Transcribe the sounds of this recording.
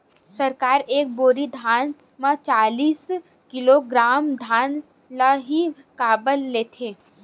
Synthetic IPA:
sɐɾkaːɾeːk̚boːɾid̪ʱaːn | mãt͡ʃaːliːs | kɪloɡɾaːmd̪ʱaːn | laɦi | kaːbəlːeːt̪ʰeː

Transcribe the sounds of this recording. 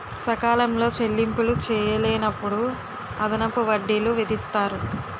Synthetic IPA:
sɐkaːlɐmlo̞ːt͡ʃe̞lːimpulut͡ʃɛːjɐleːnɐpːuɽu | ɐd̪ɐnɐpuʋɐɖːiluʋid̪ist̪aːɾu

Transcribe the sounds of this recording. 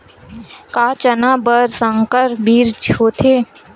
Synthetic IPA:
kaːt͡ʃənaːbəɾsə̃ŋkəɾbiːɾd͡ʒɦoːt̪ʰeː

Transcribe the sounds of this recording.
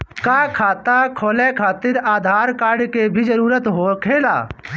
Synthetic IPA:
kaːkʰaːt̪akʰoːlekʰaːt̪ɪɾaːd̪ʱaːɾkaːɾɖkebʱid͡ʒəɾuːɾət̪ɦokʰeːla̰ː

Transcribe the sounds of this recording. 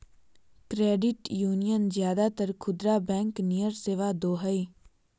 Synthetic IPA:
kɾeːɖɪʈjuːnijənzjaːd̪at̪əɾkʰʊd̪ɾaːbɛ̃ːŋknijəɾseːʋad̪oːɦəiː

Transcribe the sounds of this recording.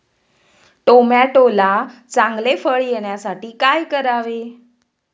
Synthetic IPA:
ʈomaʈolat͡sãŋɡlefəɭjeɽjasaʈiːkajkəɾaʋe

